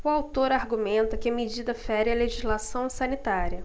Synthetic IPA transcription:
ʊawt̪oɾaɾɡumẽnt̪ɐkɪɐmed͡ʒid̪ɐfɛɾiɐleʒizlasɐ̃w̃sɐnit̪aɾiɐ

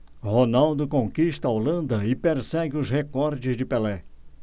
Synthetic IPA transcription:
honawd̪ʊkõkiʃt̪ɐaolɐ̃nd̪ɐɪpeɾsɛɡɪʊzhekɔɾd͡ʒɪzd͡ʒɪpelɛ

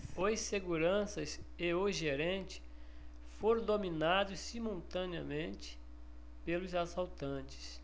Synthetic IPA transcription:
ojsseɡuɾɐ̃sɐseoʒeɾẽnt͡ʃɪ̥ | foɾ̃d̪ominad̪ʊssimuwt̪ɐ̃niɐ̰mẽnt͡ʃɪ̥ | pelʊzasawt̪ɐ̃t͡ʃɪ̥s

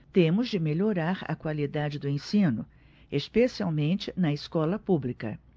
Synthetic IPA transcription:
t̪ẽmʊzd͡ʒɪmeʎoɾaɾɐ̰kwalid̪ad͡ʒɪd̪ʊẽsĩnʊ | espesiawmẽnt͡ʃɪnɐeskɔlɐpublikɐ̰

